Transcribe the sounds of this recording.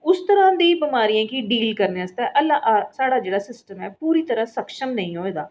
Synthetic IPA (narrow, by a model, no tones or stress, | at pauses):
ʊst̪əɾãːd̪iːbɪmaːɾiːãːkiɖiːlkəɾneast̪ɛːʔəlːaːʔsaːɽaːd͡ʒeːɽaːsɪsʈəmɛːpuːɾiːt̪əɾãːsəkʃəmnəĩːɦoːeːd̪aː